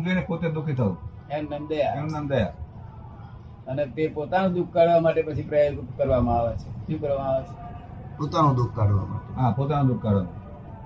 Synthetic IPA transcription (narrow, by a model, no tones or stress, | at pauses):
d͡ʒinepot̪ed̪ʊkʰit̪ʰəũemnəmd̪əjaenəmd̪əja | ənet̪epot̪anũd̪uk̚ʰkaɽʋamaʈepət͡ʃʰipɾəjakukkəɾʋamãaʋet͡ʃʰeʃĩkəɾãaʋet͡ʃʰe̥ | pot̪anũd̪uk̚ʰkaɽʋa̰mã̰ɦãpot̪anũd̪uk̚kːaɽʋa̰n